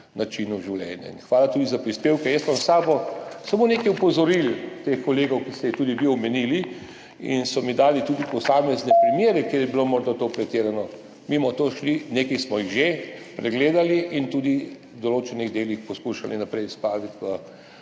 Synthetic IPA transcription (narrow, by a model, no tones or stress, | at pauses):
nʔat͡ʃinuʒiwlʲɛ̰ːnja̰ḭnxʋaːlat̪uːd̪izapɾispeːwkɛjɛst̪bɔmsaːbɔsamoːneːkɛjupɔzɔɾilt̪exkɔleːɡɔwkisɛjɛt̪ud̪iʋiɔmɛnili | ḭnsɔmid̪aːlit̪uːd̪ipɔsaːmɛznɛpɾimjeːɾɛkeːɾjɛbilomɔɾd̪at̪opɾɛt̪eːɾanɔ | mimɔt̪oʃlineːkismɔjiɣʒepɾɛɡleːd̪aliʔint̪ud̪i | d̪ɔloːt͡ʃɛniɣd̪eːlixpɔskuʃa̰linapɾɛjspaːʋit̪ʋə